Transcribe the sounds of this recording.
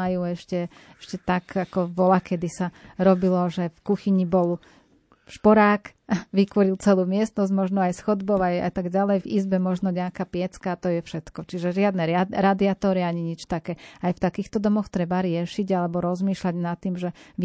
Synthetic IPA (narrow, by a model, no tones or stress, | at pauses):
ajuːɛʃcɛ | ɛʃcɛt̪akakɔʋɔlakɛd̪isaɾɔbilɔʒɛfkuxiɲibɔl | ʃpɔɾaːk | ʋikʋɔɾilt͡sɛluːmɪɛst̪nɔzɟmɔʒnɔajsxɔd̪bɔʊaja̰t̪aɡɟalɛjvḭzbɛmɔʒnɔɲɛakapɪɛt͡skaːt̪ɔjɛfʃɛt̪kɔt͡ʃiʒɛʒɪad̪nɛɾad̪iat̪ɔɾiaɲiɲit͡ʃt̪akɛːajft̪akiːxt̪ɔd̪ɔmɔxt̪ɾɛbaɾɪɛʃiɟalɛbɔɾɔzmiːʃlaɟnat̪ːiːmʒɛʋ